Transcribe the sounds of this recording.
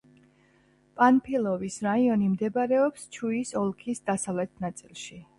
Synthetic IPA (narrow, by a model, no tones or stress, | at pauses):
pʼanpʰilˠɔvisɾaiɔnimd̪ɛbaɾɛɔpst͡ʃʰuisɔlˠkʰisd̪asavlɛt̪ʰnat̪sʼilˠʃi